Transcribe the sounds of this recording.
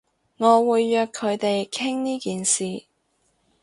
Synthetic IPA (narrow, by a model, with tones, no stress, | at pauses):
ŋɔː˨˧wuː˨˧jːœː˧kʰːɵ˨˧ɥt̪e˨jkʰɪ˥ŋniː˥kiː˨nsiː˨